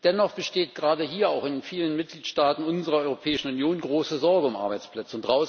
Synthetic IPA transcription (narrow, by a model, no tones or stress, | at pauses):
d̥ɛnɔχb̥əʃteːt̚ɡ̥ʁaːdəɦiːɐaʊxɪnfiːlənmɪt̚ɡ̥liːtʃtaːtn̩ʊnzəʁɐɔʏʁopʰɛːɪʃn̩ʊnjoːnɡʁoːsəzɔɐɡəʊmʔa̰ɐbaɪt͡splɛt͡səʊntd̥ʁaʊ